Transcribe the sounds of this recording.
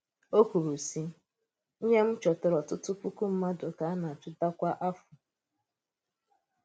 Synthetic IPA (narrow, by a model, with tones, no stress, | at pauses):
o˦kʷu˨ɾu˨si˦ | n̩˦ɲe˦m̩˦t͡ʃɔ˨tʊ˨ɾɔ˨tʊ˦tʊ˦pu˦ku˦m̩˦ma˦do˨ka˨a˦na˨t͡ʃʊ˦da˦kʷa˦ʔa˦fʊ˨